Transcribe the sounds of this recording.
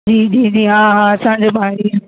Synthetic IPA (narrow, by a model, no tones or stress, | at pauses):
d͡ʑiːd͡ʑiːd͡ʑiːɦãɦãɐsãːɲd͡ʑeːbʱaːɽi